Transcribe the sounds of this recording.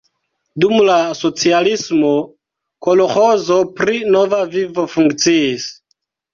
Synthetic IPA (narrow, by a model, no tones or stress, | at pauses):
dumlaso̞t͡sialismo | koloxozo̞pɾinovavivo̞fuŋkt͡siːs